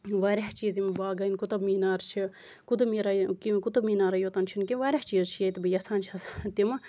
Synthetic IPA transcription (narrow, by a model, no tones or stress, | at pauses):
ʋaːɾʲaht͡ʃiːzimbaːɡɐnkut̪ɐbmiːnaːɾt͡ʃʰi | kut̪ɐmiːɾakikut̪ɐbmiːnaːɾɐjot̪ɐnt͡ʃʰinkiʋaːɾʲaht͡ʃiːzt͡ʃʰijɐt̪ibɨjɐsaːnt͡ʃʰɐst̪im